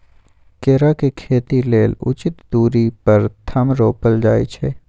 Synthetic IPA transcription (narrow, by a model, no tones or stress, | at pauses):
keːɾakekʰeːt̪ileːlʊ̰t͡ʃɪt̪d̪uːɾipɐɾt̪ʰɐmɾoːpəld͡ʒaːḭt͡ʃʰɛː